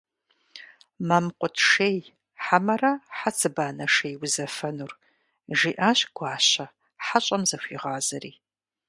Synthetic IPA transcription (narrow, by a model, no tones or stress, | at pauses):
mamqʷʊtʰʂeːj | ħamɐrɐħat͡sʰɨbaːnɐʂeːjwʊzɐfɐnur | ʒiːʔaːɕɡ̥ʷɑːɕɐ | ħaɕʼɐmzɐɕʷiːʁɑːzɐɾḭː